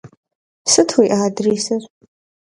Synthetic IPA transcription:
sɨtʰwiʔaːdriːsɐr

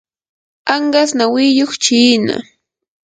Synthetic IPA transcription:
aɴɢasnawɪjoχt͡ʃiːna̰

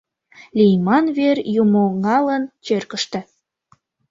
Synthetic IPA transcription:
lʲijmɑnβerjumoŋɑlənt͡ɕørkəʃt̪ĕ

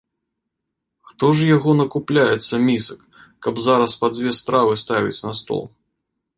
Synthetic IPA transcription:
xt̪ɔʐjaɣɔnɐkuplʲajɛt̪sːɐmʲisɐkː | ɐbzaɾɐspɐd͡zʲvʲɛst̪ɾavɨst̪avʲḭt͡sʲnɐst̪ɔ̰lˠ

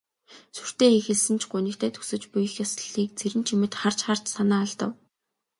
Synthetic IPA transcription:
sur̥t̪eːxexɘ̆ɮsɘ̆nt͡ɕʰɢʊnĭkt̪ʰæːt̪ʰɵ̥sɘ̆t͡ɕpujɘ̆xjasə̆ɮiːk̚t͡sʰeɾɘ̆nt͡ɕʰimɘ̆t̪χar̥t͡ɕχar̥t͡ɕsanaːɮt̪ə̰̆w

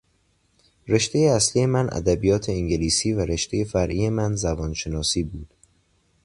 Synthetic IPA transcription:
ɾe̞ʃt̪e̞jeæsliːje̞mænʔæ̰d̪æbijɒːt̪ʰe̞eŋɟe̞liːsiːvæɾe̞ʃt̪e̞je̞fæɾʔiːje̞mænzæbɒːnʃe̞nɒːsiːbuːd̪̥

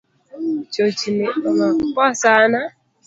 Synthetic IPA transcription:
t͡ʃot͡ʃineomakasana

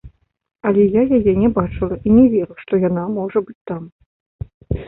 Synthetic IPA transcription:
alʲɛjajajɛnʲɛbat͡ʂɨlˠɐʔinʲɛvʲerɨʂt̪ɔjanamɔʐɐbɨt͡sʲt̪am

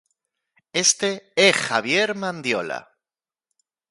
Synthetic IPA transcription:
e̞st̪eexaβ̞je̞ɾmãnd̪jo̞la̰

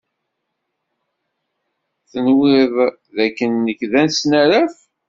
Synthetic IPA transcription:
θənwɪðˤ | ðækːənːəçðænsnæɾæf

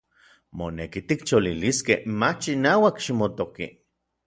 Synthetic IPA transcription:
monekit̪ikt͡ʃoliliskehmat͡ʃinaːwakʃimot̪okḭ

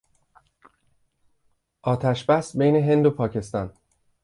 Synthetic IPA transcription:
ʔɒːt̪ʰæʃbæsbejne̞ɦe̞nd̪o̞pʰɒːcʰe̞st̪ɒːn

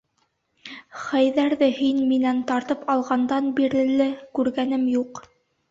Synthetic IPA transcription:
χæjðæɾðɘhinminænt̪ɑɾt̪ɤpɑlˠʁɑnd̪ɑnbiɾɘ̆lɘkʉɾɡænɘmjuq

